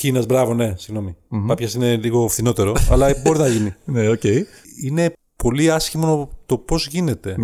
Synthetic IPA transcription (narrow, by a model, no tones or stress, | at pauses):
cinɐzbɾɐvo̞ne̞siɣno̞mipɐpçɐsine̞liɣo̞fθino̞t̪e̞ɾo̞ɐlɐbo̞ɾinɐʝinineoce̞i | ine̞ | po̞liɐsçimonot̪o̞po̞zʝine̞t̪e̞